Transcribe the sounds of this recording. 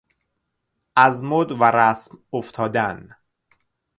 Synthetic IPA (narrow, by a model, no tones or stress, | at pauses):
ʔæzmod̪væɾæsmoft̪ʰɒːd̪æn